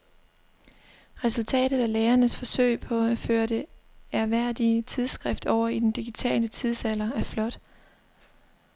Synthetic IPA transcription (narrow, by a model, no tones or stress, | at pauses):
ʁɛsult͡sʰɛ̰ːd̥ð̩ˠæleːɐnəsfɒ̽søɪpʰɒ̽æføːɐd̥e̝æɐʋæɐ̰d̥it͡sʰið̞ˠsɡ̥ʁɛfd̥ɒʊ̰ɐid̥end̥iɡ̥it͡sʰɛ̰ːlət͡sʰiðˠsælɐæɐflɒ̽d̥